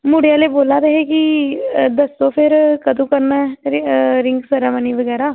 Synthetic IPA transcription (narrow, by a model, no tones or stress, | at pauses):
mʊɽɪjaːleːboːlaːt̪eɦeki | d̪əst̪õːpʰɪɾkəd̪ũːkəɾnaːɛ | ɾɪ̃ŋɡsəɾaməniːʋəɡɛːɾaː